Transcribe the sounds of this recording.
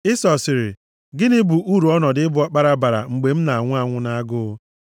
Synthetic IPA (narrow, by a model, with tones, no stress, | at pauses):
ɪ˦sɔ˨sɪ˨ɾɪ̰˨ | ɡɪ˦nɪ˦bu˨ʔu˦ɾu˨˦ɔ˦nɔ˨dɪ˦ɪ˦bʊ˦a˦k͡pa˦ɾa˦ba˨ɾa̰˨ŋ͡m̩˨ɡ͡be˨m̩˦na˨a˨ŋʷʊ˦a˨ŋʷʊ˦na˦ɡʊ˦